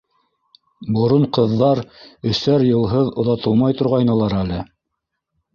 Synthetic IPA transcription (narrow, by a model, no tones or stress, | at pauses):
bŏɾoɴqɤ̆ðːɑɾɵ̆θːæɾjɤ̆lˠɦɤðŏðɑt̪ɤlˠmɑjt̪ŏɾʁɑjnɤ̆lˠɑɾælɘ